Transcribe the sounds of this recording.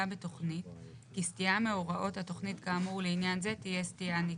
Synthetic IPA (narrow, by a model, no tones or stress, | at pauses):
abeto̞χnit | kistijame̞oʁaʔo̞thato̞χnitkaːmuleinjanze̞tije̞stijani